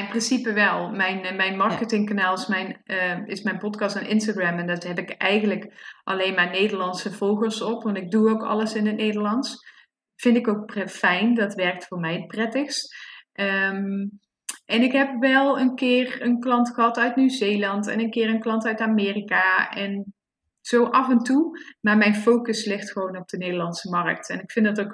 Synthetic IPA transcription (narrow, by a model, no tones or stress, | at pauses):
ɪnprɪnsipəʋɛlˠmɛjnmɛjnmɑɹkətɪŋkanaːlˠɪsmɛjnɪsmɛjnpɔtkɑstənʔɪ̰ns̬taɡɹɛmɛndɔtɦɛpɪkɛjɣənləkʔɑlejnmaːɹnejdəɹlɑnsəv̥olˠɣəlsɔpʋɑntɪɡ̚duowkɑ̰lˠəsɪnət̚nejdəɹlɑns | fɪndɪkowk̚pfɛjndɑtʋɛɹk̚tfʊːɹmɛjətprɛtəxstʔəm | ʔɛnɪkɦɛpʋɛlˠənkɪːrənklɑntχəɦɑtœɥtnyzejlɑntɛ̰nənkɪːrənklɑntœɥtaːmɪːrikaɛn | z̥owʔɑfɛntumaːɹmɛjnfowkəslɪxtxəʋownɔb̚dənejdəlɑnsəmɑrək̚tɛnɪkfɪndɑtowk